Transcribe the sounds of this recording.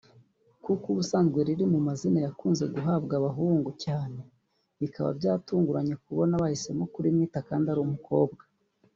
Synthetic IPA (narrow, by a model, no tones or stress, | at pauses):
kukuβusaːnzɡweɾiɾimumazinajakuːnze̞ɡuɦabɡaβaɦuːŋɡucaːne̞ | βikaβa̰bɟaːtuːŋɡuɾaɲe̞k̚uβo̞naβahise̞mokuɾimiːtakaːndaɾumuko̞ːbɡḁ